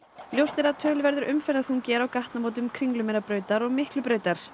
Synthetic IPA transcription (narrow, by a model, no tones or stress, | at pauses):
ljowst̪ɛɾaðt̪ʰœːlʏvɛɾðʏɾʔʏmfɛɾðaθhuncɛːɾawkaht̪namoːwt̪̬ʏmkʰɾiŋlʏmɛɾapɾœːɥt̪aɾɔɣmɪhklʏpɾœːɥt̪aɾ̥